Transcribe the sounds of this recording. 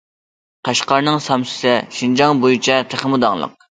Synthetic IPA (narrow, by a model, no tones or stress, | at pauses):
qʰɑʃqɑɾnɨŋsɑmsɪ̥sɪʃind͡ʒɑŋbojut͡ʃʰɛt̪ʰeχmud̪ɑŋlˠə̰q̚